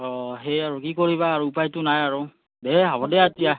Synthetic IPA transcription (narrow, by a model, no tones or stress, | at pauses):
ɔɦejaɹukikoɹiβaːɹuːpajtʊnajaɹu | bɛɦabɔdɛaetija